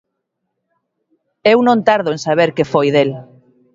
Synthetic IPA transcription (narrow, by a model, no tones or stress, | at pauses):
ewnõnt̪aɾðʊensaβ̞eɾkefojðel